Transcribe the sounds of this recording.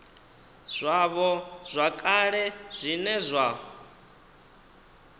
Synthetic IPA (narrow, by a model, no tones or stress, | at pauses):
z̥ʷaβɔz̥ʷakʼaɺɛz̥ʷinɛzʷa